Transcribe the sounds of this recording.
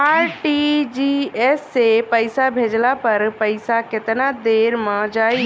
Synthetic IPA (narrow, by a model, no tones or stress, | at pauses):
aːɾʈid͡ʒiɛsːepəɪsabʱeːd͡ʒlapɐɾpəɪsakɪt̪nad̪eːɾmə̃d͡ʒaːi